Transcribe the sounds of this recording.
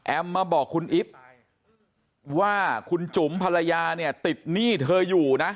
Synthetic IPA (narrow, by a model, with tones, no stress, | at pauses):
ʔɛ˧mːaː˧bɔː˨˩kʰːu˧nʔi˦˥p̚ | waː˥˩kʰu˧nt͡ɕu˩˦mpʰa˧ɾa˧jaː˧ni˥˩ɐt̪i˨˩t̪̚niː˥˩t̪ʰɤː˧juː˨˩na˦˥